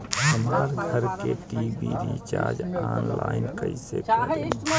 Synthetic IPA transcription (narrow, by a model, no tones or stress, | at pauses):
hɐmaːɾɡʱəɾkeʈiːbiɾit͡ʃaːɾd͡ʒaːnlaːɪnkəɪsekəɾe